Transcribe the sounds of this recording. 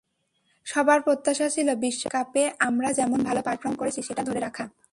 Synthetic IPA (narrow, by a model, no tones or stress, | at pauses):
ʃɔbaɾpɾot̪ːaʃat͡ɕʰilobiʃːokapeʔamɾad͡ʑɛmonbʱalopaɾfɾoɾmkoɾet͡ɕʰiʃeʈad̪ʱoɾeɾakʰa